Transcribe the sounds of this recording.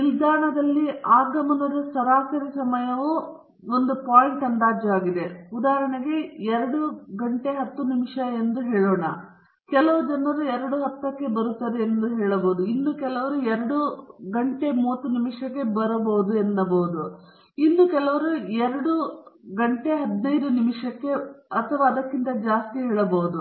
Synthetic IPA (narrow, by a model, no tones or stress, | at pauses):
nild̪aːɳɐd̪ɐlːiaːɡɐmɐnɐɾusɐɾaːsɐɾisɐmɐjɐʋu | ond̪upaːjiɳʈɐnd̪aːd͡ʒaːɡid̪e̞ud̪aːɦɐɾɐɳɐɡeɛɾɐɽuɡɐɳʈe̞ɦɐt̪ːunimiʂɐend̪uɦeːɭoːɳɐ̰ | kɛlɐʋɐd͡ʒɐnːɐɾuɛɾɐɽuɦɐt̪ːɐkːe̞bɐɾut̪ːɐd̪eːnd̪uɦɛːɭɐboːud̪uinːukɛlɐʋɐɾuɛɾɐɽuɡɐɳʈe̞muʋɐt̪ːunimiʂɐkːe̞bɐɾɐbɐʋud̪uenːɐbɐʋud̪u | inːukɛlɐʋɐɾuɛɾɐɽuɡɐɳʈe̞ɦɐd̪nɐjd̪unimʂɐkːe̞ɐt̪ʰɐʋaːd̪ɐkːint̪ɐd͡ʒaːst̪iɦɛːɭɐbɐːud̪u